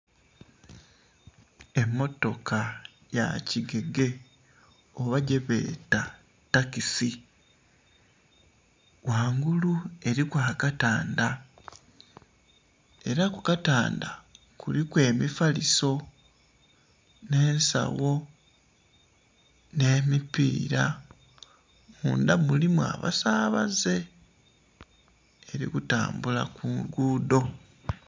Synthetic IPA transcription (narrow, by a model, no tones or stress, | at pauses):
e̞mːo̞to̞kʰa | ja̰ciɡe̞ɡe̞ | oβaɟe̞βe̞̰ːta | takisi | waːŋɡulue̞ɾikwaːkataːnda | e̞ɾakukata̰ːnda̰ | kulikwe̞ːmifaliso̞ | ne̞ːnsa̰wo̞ | ne̞ːmipḭːɾa | muːndamulimwa̰βa̰saːβa̰ze̞ | ɾḭkuta̰ːmbula̰kuŋɡuːdo̞